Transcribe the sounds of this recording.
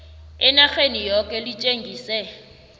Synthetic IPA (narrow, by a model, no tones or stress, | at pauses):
ɪnak͡xenijɔkʼɛlit͡ʃʼeŋɡʱiːsɛ